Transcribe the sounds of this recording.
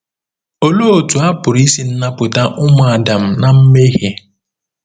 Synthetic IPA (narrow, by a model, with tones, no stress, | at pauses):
o˨lo˦o˨tu˨a˦pʊ˨ɾi˦si˦n̩˦na˦pʊ˨ta˦ʔʊ˦mʊ˨a˨da˨m̩˨na˨m̩˦me˦ɦe˨